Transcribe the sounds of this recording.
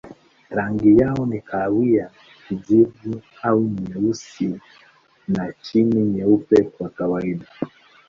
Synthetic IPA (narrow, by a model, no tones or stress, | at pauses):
ɾaŋɡijaɔnikʰawija | izivu | auɲɛusi | nat͡ʃiniɲɛupɛkwakawaiɗa